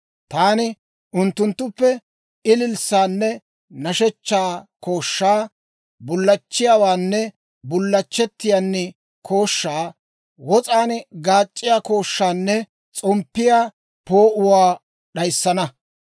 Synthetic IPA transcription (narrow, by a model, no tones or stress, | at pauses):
t̪aːnɪ | ʔʊnt̪ːʊnt̪ːʊpːɛ | ɪlɪlsaːnːɛ | nɐʃɛt͡ʃːaːko̞ːʃːaː | bʊlːɐt͡ʃːɪjaːwaːnːɛ | bʊlːɐt͡ʃːɛt̪ːɪjaːnːɛ | kʰo̞ːʃːaː | wɔt͡sʼaːnɡaːt͡ʃʼːɪjaːko̞ːʃːaːnːɛ | t͡sʼɔmpːɪjaː | po̞ːʔʊwaː | ɗɐjsːɐnɐ